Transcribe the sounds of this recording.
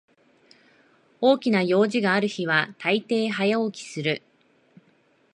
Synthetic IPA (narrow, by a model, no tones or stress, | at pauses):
o̞ːkʲinajo̞ːʑiɡaːɾɯ̟çiβ̞at̪ait̪e̞ːɦajaokʲi̥sɨɾɯ̟